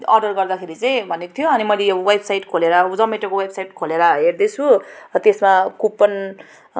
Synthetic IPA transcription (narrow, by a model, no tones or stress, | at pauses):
ʌrɖʌrɡʌrd̪akʰeɾit͡saj̃bʱʌnekot̪ʰjoʌnimʌjleʌʌwajbsajʈkʰoleɾʌd͡zʌmeʈʌkowebsajʈkʰoleɾʌɦeɾd̪et͡sʰut̪esmakupːʌn